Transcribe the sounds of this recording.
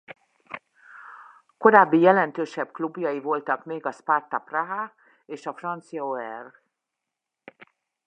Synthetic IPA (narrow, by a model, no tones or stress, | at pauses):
ko̞ɾaːbːijɛlɛnt̪øːʃɛbklubjɒjivo̞lt̪ɒkmeːɡɒspart̪ɒpraɦa | eːʃɒfrɒnt̪sijɒoɛr